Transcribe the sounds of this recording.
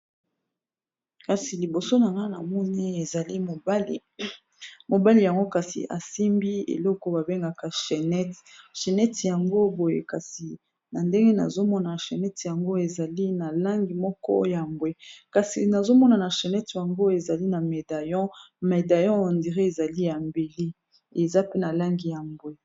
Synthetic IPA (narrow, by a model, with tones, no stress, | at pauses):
ka˨si˨li˨bo˨so˦na˨ŋɡa˦na̰˨mɔ˦ni˦e˨za˨li˦mo˨bl | mo˨ba˦li˨ja˨ŋɡo˦ka˨sḭ˨ʔa̰˨si˦mbi˦ḛ˨lɔ˦kɔ˨ba˨be˦ŋɡa˨ka˨ʃe˨nɛ˦tʃe˨nɛ˦tja˨ŋɡo˦bo˨jḛ˨ka˨si˨ | na˨nde˦ŋɡe˦na̰˨zo˦mɔ˦na˨ʃe˨nɛ˦tja˨ŋɡo˦e˨za˨li˦na˨la˦ŋɡi˨mɔ˦kɔ̰˦o̰˦jja˨mbwe˦ka˨sḭ˨na˨zo˦mɔ˦na˨na˨ʃe˨nɛ˦tja˨ŋɡo˦e˨za˨li˦na˨me˨da˨jɔ̃˦me˨da˨jɔ̃˦o˨ndi˨ʁe˦e˨za˨li˦ja˨mbe˨li˦ | e˨za˦pe˦na˨la˦ŋɡi˨ja˨mbwe˦